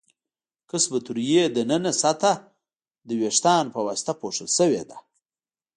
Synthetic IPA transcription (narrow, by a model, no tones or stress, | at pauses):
kəsbət̪uɾjed̪ənənasat̪a | d̪əweʂt̪ɑːnpəwasɪ̥t̪apoʂəlʃəwḛd̪a